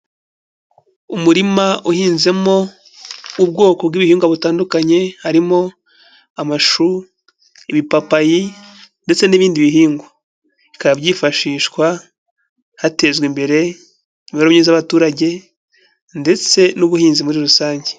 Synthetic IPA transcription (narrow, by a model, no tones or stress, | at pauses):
umuɾimauhiːnze̞mo̞ | ub̚ɡo̞ːko̞bɡiːβihiːŋɡwaβutaːndukaɲe̞haɾimo̞ | amaʃu | iβipapajinde̞t͡se̞niβiːndiβiɦiːŋɡwa | ikaβabɟiːfaʃiːʃkwa | hate̞ːzɡwimbe̞ɾe̞ | imeɾomɲizaβatuːɾaɟe̞ | nde̞t͡se̞nuβuhiːnzimuɾiɾusaːɲɟe̥